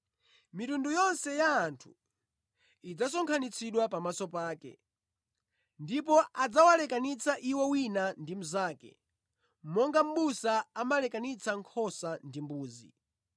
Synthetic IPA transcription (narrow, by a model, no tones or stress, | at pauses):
mitundujɔnsɛjaːntʰu̥ | id͡zas̬ɔŋkʰanit͡sʰiɗwapamasɔpaːkɛ̰ | ndip̬ɔʔad͡zawalɛkanit͡sʰaʔiwɛwinandim̩zaːkɛ̰ | m̩mɔŋɡam̩ɓusaamalɛkanit͡sʰaŋkʰɔsandimbuːzḭ